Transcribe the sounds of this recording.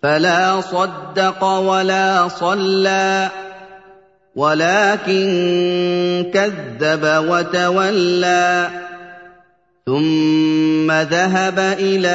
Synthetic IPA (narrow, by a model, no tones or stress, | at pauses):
falaːsˤɑd̪ːɑqɑwalaːsˤɑlːaː | walaːkɪn | kaðːabawat̪awalːaː | θʊmː | aðaɦabaʔɪlaː